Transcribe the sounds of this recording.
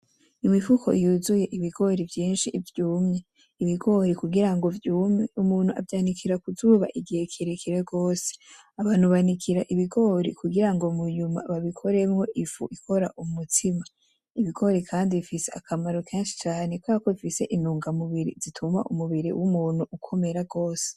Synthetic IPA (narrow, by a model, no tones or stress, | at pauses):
imifukʰo̞ijuːzuje̞ʔiβiɡo̞ɾivjiːnʃivjuːmɲe | iβiɡo̞ɾikuɡiɾaŋɡo̞vjuːmɲeumuːn̥huʔa̰vjaːnikʰiɾakuzuːβa̰ʔiɡihe̞kʰiɾekʰiɾeɡo̞ːse̥ | aβaːn̥huβanikʰiɾaʔiβiɡo̞ːɾḭkuɡiɾaŋɡomuɲuma̰βaβikʰo̞ɾe̞mŋo̞ʔifṵʔikʰo̞ɾaʔumutʰima | iβiɡo̞ɾikʰaːndiβifise̞a̰kʰamaɾokʰeːnʃi̥t͡ʃaːne̞kwakoβifise̞ʔinuːŋɡamuβiɾḭzitʰuma̰ʔṵmuβiɾḭwʔumuːn̥huʔukʰo̞me̞ɾaɡo̞ːse̥